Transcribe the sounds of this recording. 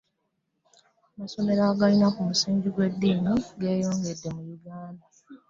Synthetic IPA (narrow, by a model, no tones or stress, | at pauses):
amaso̞me̞ɾaːɡainakumusiːɲɟiɡwe̞dːiːmuɡe̞ːjo̞ːŋɡe̞dːe̞mujuɡaːnda